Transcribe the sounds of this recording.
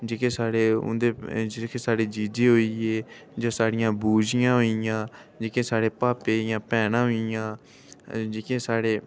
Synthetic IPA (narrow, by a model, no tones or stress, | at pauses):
d͡ʒeːkeːsaːɽeːʊ̰nd̪eːd͡ʒeːkeːsaːɽeːd͡ʒiːd͡ʒeːɦoːiːeː | d͡ʒoːsaːɽɪjãːbuːd͡ʒɪjãːɦoːɪjãːd͡ʒeːkẽːsaːɽeːpaːpeːjãːpɛːnãːɦoːɪjãː | d͡ʒeːkẽːsaːɽeː